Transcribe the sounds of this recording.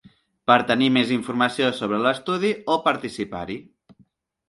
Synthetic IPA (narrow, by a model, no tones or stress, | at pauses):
pəɾt̪ənimeziɱfuɾməsiosoβ̞ɾələst̪uð̞iopəɾt̪isipa̰ɾi